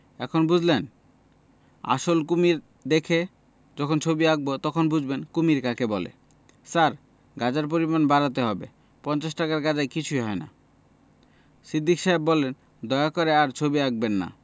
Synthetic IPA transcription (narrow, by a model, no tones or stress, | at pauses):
ɛ̰kʰonbud͡ʑʱlen | a̰ʃolkumiɾ | d̪ekʰe | d͡ʑɔkʰont͡ɕʰobiaɡ̚bot̪ɔkʰonbud͡ʑʱbenkumiɾkakʰebɔlḛ | saɾ | ɡad͡ʑaɾp̬oɾimanbaɾat̪eɦɔbe | pɔnt͡ɕas̬ʈakaɾɡad͡ʑajkit͡ɕʰujɦɔena̰ | sid̪ʱːikʃaɦebːɔlen | d̪ɔeakɔɾeaɾt͡ɕʰobiaɡ̚benːa̰